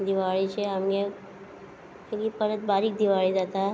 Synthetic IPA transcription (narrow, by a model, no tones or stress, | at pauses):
d̪ɪʋaːɭit͡ʃʰeɦɐmɡe | ɡipəɾət̪̚baːɾik̚d̪iʋaːɭizat̪a